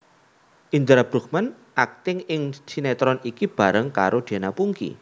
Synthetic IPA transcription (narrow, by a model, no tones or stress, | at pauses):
ʔiɲd͡ʒəɾab̥ɾṳk̚man | ʔak̚t̪ɪŋɪŋsinɛt̪ɾɔnikib̥a̤ɾəŋka̰ɾʔod̪̥e̤napuŋkḭ